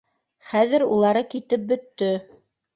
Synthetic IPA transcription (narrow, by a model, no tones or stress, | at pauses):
χæðɘɾulˠɑɾɤkit̪ɘp̚bɵ̆t̪ːɵ